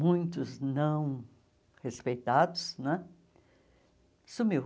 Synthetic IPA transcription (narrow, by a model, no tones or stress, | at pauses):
mũj̃t̪ʊznɐ̃w̃ | hespejt̪ad̪ʊsnɛ̃ | sumi